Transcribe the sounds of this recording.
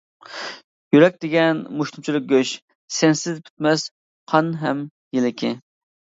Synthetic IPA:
jyɾɛk̚ʲd̪ɪɡʲɛnmuʃt̪umt͡ʃʰilˠɪk̚ɡʲøʃ | sɛnsɪzd̪ɪpʲʰy̥t̪mɛs | qʰɑnɦɛm | jelɪkʲʰɪ̰

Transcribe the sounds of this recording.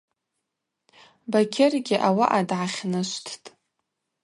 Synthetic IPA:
bakʲʰerɡʲɪʔawaʔadʕaχʲnɨʃʷtʰtʼ

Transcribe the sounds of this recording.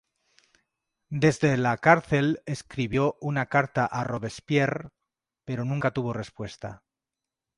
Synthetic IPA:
d̪e̞zðe̞lakaɾθe̞le̞skɾiβjo̞ʔunakaɾt̪aʔaro̞βe̞spje̞r | pe̞ɾo̞nũŋkat̪uβ̞o̞re̞spwe̞st̪a̰

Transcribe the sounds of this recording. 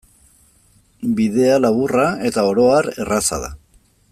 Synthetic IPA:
biðe̞alaβurae̞t̪ao̞ɾo̞aɾe̞rasa̰ða̰

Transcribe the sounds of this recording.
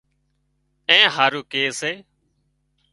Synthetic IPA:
ẽːɦaːɾuːkeːseː

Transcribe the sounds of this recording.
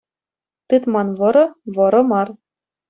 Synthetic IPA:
t̪ɨt̪mɑnβɤ̆ɾɤ̆βɤ̆ɾɤ̆mɑr

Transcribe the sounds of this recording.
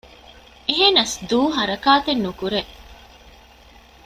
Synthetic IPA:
eɦenɐsd̪uːɦɐɾɐkaːt̪enːukuɾe

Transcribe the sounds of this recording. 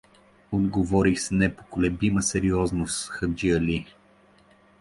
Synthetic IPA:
od̪ɡovɔɾixsnɛpokolɛbiməsɛɾiɔznosxəd͡ʒiəli

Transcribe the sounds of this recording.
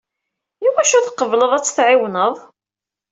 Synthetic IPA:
jiwæʃʊθqːəvləðˤæt͡sːθʕɪwnəðˤ

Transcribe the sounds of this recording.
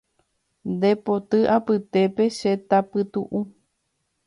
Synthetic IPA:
nd̪e̞po̞t̪ɨʔapɨt̪e̞pe̞ʃe̞t̪apɨt̪ṵʔu

